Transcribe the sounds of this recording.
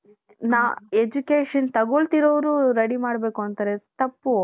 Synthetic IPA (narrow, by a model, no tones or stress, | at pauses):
naːed͡ʒukeːʂɐnt̪ɐɡoɭt̪iɾoːʋɾuɾɐɽimaːɽbeːkuɐnt̪ɐɾet̪ɐpːu